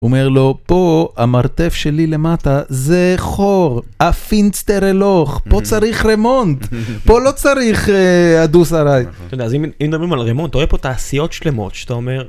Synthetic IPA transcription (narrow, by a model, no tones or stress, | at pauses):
umeʁlo̞po̞amaʁt̪e̞fʃe̞lile̞mat̪azeχoʁ | afint͡st̪eʁeloχpo̞t͡saʁiχʁemo̞nt̪po̞lo̞t͡saʁiχead̪usaʁajt̪od̪eazimimd̪obʁimalʁemont̪oepot̪aːsijo̞t̪ʃle̞mo̞̰t̪ʃḁt̪aomeʁ